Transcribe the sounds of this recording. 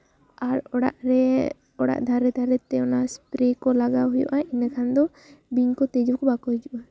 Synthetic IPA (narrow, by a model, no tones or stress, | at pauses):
aɾɔɽa̰ʔɾɛ | ɔɽa̰ʔd̪ʱaɾɛd̪ʱaɾɛt̪ɛɔnaspɾekɔlaɡawɦujɔ̰ʔainakʰand̪ɔ | biɲkɔt̪ed͡ʒukʰubakɔɦid͡ʒuʔa